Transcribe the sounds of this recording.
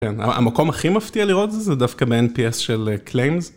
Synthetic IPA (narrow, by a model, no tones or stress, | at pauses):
kena̰ʔa̰mako̞maχimaft̪ialiʁo̞t̪zezedafkabeenpiesʃelklejmz